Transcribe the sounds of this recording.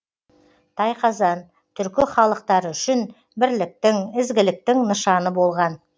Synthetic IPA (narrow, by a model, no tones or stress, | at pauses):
t̪ʰɑjqʰɑzɑn | t̪ʰʏɾkʲɪχɑlˠəq̚t̪ɑɾʏʃɪn | bɪɾlɪk̚t̪ɪŋɪzɡʲɪlɪk̚t̪ɪŋnəʃɑnəbo̞lˠʁɑn